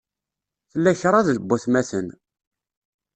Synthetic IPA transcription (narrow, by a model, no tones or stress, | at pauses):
θəlːæçɾˤɑðələbːuθmæθən